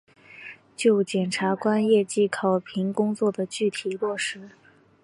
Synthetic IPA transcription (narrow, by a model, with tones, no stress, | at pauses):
t͡ɕjo˥˩ʊt͡ɕjɛ˨˩nʈ͡ʂʰa˧˥kwa˥njɛ˥˧t͡ɕi˥˩kʰɑ˨˩ʊpʰi˧˥ŋkʊ˥ŋt͡swɔ˥˩d̪ə˩t͡ɕy˥˩t̪ʰi˨˩lwɔ˥˩ʂɻ̩˧˥